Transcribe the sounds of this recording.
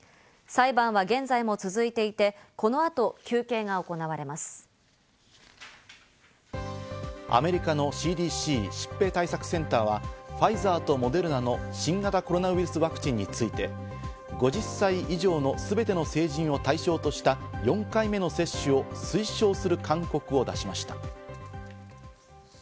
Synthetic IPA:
saibãɰ̃βaɡẽ̞nd͡zaimo̞t͡sɨzɨit̪e̞it̪e̞ko̞no̞at̪o̞kʲɨːke̞ːɡaoko̞naβaɾe̞masɨ̥ | a̰me̞ɾʲikano̞ɕiːd̪iːɕiːɕi̥pːe̞ːt̪aisakɯ̟̥sẽ̞nt̪aːβaɸaizaːt̪o̞mo̞d̪e̞ɾɯ̟nano̞ɕĩŋɡat̪ako̞ɾo̞naβiɾɯ̟sɨβakɯ̟̥t͡ɕĩɲ̟ːit͡sɨit̪e̞ | ɡo̞ʑisːaiʔiʑo̞ːno̞sɨbe̞t̪e̞no̞se̞ːʑĩɰ̃o̞t̪aiɕo̞ːt̪o̞ɕi̥t̪ajõ̞ŋkaime̞no̞se̞ɕːɨo̞sɨiɕo̞ːsɨɾɯ̟kʰãŋko̞kɯ̟o̞d̪aɕimaɕi̥t̪ḁ̰

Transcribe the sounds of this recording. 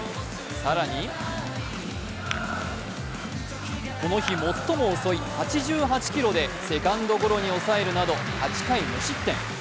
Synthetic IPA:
saɾaɲ̟i | ko̞no̞çimo̞t̪ːo̞mo̞ːso̞ihat͡ɕiʑɨːɦat͡ɕi̥kʲiɾo̞d̪e̞se̞kãnd̪o̞ko̞ɾo̞ɲ̟io̞sae̞ɾɯ̟nad̪o̞hat͡ɕi̥kaimɯɕit̪ːẽ̞ŋ̃

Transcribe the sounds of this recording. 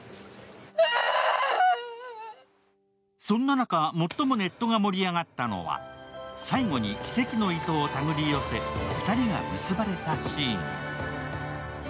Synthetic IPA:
sõ̞nːanakamo̞t̪ːo̞mo̞ne̞t̪ːo̞ɡamo̞ɾʲiaɡat̪ːano̞̰βa̰saiɡo̞ɲ̟ikʲi̥se̞kʲino̞it̪oːt̪aɡɯ̟ɾʲijo̞seɸɯ̟̥t̪aɾʲiɡa̰mɯ̟sɨbaɾe̞t̪aɕĩːŋ

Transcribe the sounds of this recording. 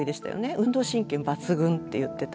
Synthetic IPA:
id̪e̞ɕi̥t̪a̰jo̰ne̞ɯ̟̃nd̪o̞ːɕĩŋkʲẽmbat͡sɨɡɯ̟̃nt̪ːe̞jɯ̟t̪ːe̞t̪

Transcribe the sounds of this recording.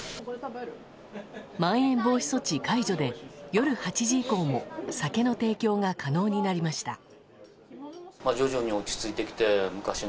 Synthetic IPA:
mãɰ̃ẽ̞mbo̞ːçi̥so̞t͡ɕikaiʑo̞d̪e̞jo̞ɾɯ̟hat͡ɕiʑiːko̞ːmo̞sake̞no̞t̪e̞ːkʲo̞ːŋakʰano̞ːɲ̟inaɾʲimaɕi̥t̪a̰ | mad͡ʑo̞ʑo̞ɲ̟io̞t͡ɕi̥t͡sɨit̪e̞kʲi̥t̪e̞mɯ̟kaɕi

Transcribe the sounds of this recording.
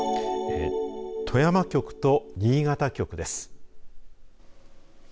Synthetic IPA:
et̪ʰo̞jamakʲo̞kɯ̟̥t̪o̞ɲiːɡat̪akʲo̞kɯ̟d̪e̞sɨ̥

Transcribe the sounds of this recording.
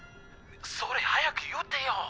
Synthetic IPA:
soɾehajakɯjɯt̪ːẽjo

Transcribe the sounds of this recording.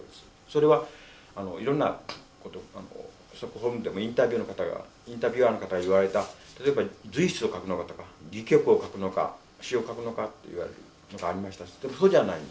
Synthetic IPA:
od̪esɨ̥ | so̞ɾe̞βa | ano̞iɾõ̞nːa̰ | ko̞t̪o̞ano̰ | so̞kɯ̟ɦõ̞mɯd̪e̞mo̞ĩnt̪abʲjɯːno̞kat̪aɡa̰ | ĩnt̪abʲɯ̟ano̞kat̪aɡaiβaɾe̞t̪at̪at̪o̞ebad͡zɨiɕi̥t͡sɨo̞kakɯ̟no̞kat̪o̞kaɡʲikʲo̞kɯ̟o̞kakɯ̟no̞ka̰ | ɕio̞kakɯ̟no̞kat̪ːe̞̰ḭβa̰ɾe̞ɾɯ̟̰ | no̞ɡaːɾʲimaɕi̥t̪ad̪e̞mo̞soːdanaĩn

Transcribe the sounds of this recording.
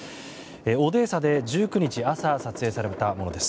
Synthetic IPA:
eo̞d̪e̞ːsad̪e̞d͡ʑɨːkɯ̟ɲ̟it͡ɕiasasat͡sɨe̞ːsaɾet̪amo̞no̞d̪e̞sɨ̥

